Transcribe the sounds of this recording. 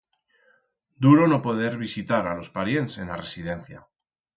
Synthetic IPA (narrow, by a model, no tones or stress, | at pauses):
d̪uɾo̞no̞po̞ð̞e̞ɾβisit̪aɾalo̞spaɾje̞nse̞nlare̞sið̞e̞nθja